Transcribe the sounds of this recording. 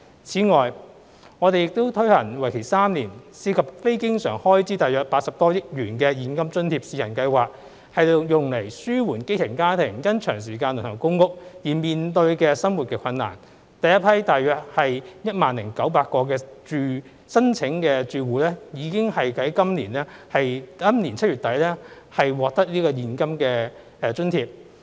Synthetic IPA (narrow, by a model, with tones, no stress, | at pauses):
t͡sʰiː˨˥ŋɔː˨j | ŋɔː˨˧t̪e˨jɪ˨k̚t̪o˥wt̪ʰɵ˥hɐ˨˩nŋwɐ˨˩jkʰe˨˩jsaː˥mniː˨˩nsiː˧kʰɐ˨p̚fe˥jkɪ˥ŋsœː˨˩ŋhɔː˥jt͡siː˥t̪aː˨jœː˨k̚paː˧t̚sɐ˨p̚t̪ɔː˥jɪ˥k̚jyː˨˩nkɛː˧jiː˨˥nkɐ˥mt͡ʃɵ˥nt̪ʰiː˧˥p̚siː˧jɐ˨˩nkɐ˧jwaː˨k̚ | hɐ˨jjʊ˨ŋle˨˩jsyː˥wuː˨˩nke˥jt̪ʰɪ˨˩ŋkaː˥t̪ʰɪ˨˩ŋjɐ˥nt͡ʃʰœː˨˩ŋs̬iː˨˩kaː˧nlɵ˨˩nhʰɐ˨˩wkʊ˥ŋkʊ˥k̚jiː˨˩miː˨nt̪ɵ˧ɥkɛː˧sɐ˥mwuː˨t̚kɛː˧kʰɐ˧nːa̰ː˨˩n | t̪ɐ˨jɐ˥t̚pʰɐ˥jt̪aː˨jœː˨k̚hɐ˨jjɐ˥t̚maː˨nlɪ˨˩ŋkɐ˨˥wpaː˧t̚kɔː˧k̬ɛː˧t͡ʃyː˨˧ | sɐ˥nt͡ʃʰɪ˨˥ŋkɛː˧t͡ʃyː˨˧wuː˨lɛː˥jiː˨˧kɪ˥ŋhɐ˨jkɐ˨˥jkɐ˥mliː˨˩nɛː˥hɐ˨jɐ˥mniː˨˩nt͡sʰɐ˥t̚ɥyː˨t̚t̪ɐ˨˥jlɛ˥ | hɐ˨jwɔː˨k̚t̪ɐ˥k̚liː˥kɔː˧jiː˨˧nkɐ˥mkɛː˧ | ɛː˧t͡ʃɵ˥nt̪ʰiː˧p̚